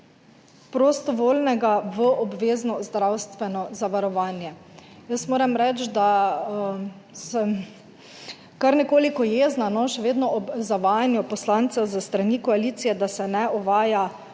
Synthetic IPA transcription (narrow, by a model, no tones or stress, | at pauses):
pɾost̪ɔʋoːlnɛɡaʋəʔɔbʋeːznɔzd̪ɾawst̪ʋɛnɔzaʋaɾɔʋaːnjɛjəst̪moːɾɛmɾɛt͡ʃd̪a | sɛm | kaɾnɛkoːlikɔjeːznanɔʃɛʋeːd̪nɔɔbzaʋaːjanjupɔslant̪sɛwzəst̪ɾanikɔalit̪sijɛd̪asɛnɛɔʋaːja